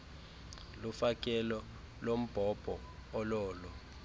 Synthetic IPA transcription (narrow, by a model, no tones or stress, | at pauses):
lufak̬ʼɛlɔ | lom̩b̥ʱɔb̥ʱɔː | lɔːlɔ